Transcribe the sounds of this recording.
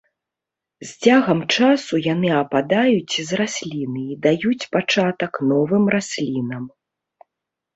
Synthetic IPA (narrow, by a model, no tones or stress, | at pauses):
zʲd͡zʲaɣɐmt͡ʂasujanɨɐpad̪ajut͡sʲizrasʲlʲinɨid̪ajut͡sʲpat͡ʂat̪ɐknɔvɨmrasʲlʲinɐm